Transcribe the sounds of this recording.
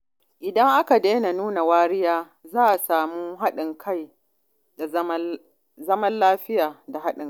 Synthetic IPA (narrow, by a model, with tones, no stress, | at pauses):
ʔɪ˨dɐ˦ŋʔa˦ka˨deː˦na˨nuː˦na˨waː˦ɾɪ˦jaː˦ | zaː˦ʔa˨saː˨muː˦ɦa˦ɗɪ˨ŋkʰa˦j | da˨ | zɐ˦mɐ˦nlaː˦ɸɪ˦jaː˨da˨ɦa˦ɗɪ˨ŋ